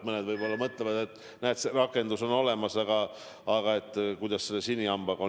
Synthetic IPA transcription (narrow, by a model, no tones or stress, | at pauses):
mɤned̪vɯjbo̞lːɑmɤt̪levɑd̪e̞t̪ːˑ | næːt̪seɾɑkːˑe̞nd̪uso̞no̞le̞mɑsɑɡ̥ɑ | ɑɡɑe̞t̪ːˑkujd̪ɑsselːesinʲːiɑmb̥ɑɡo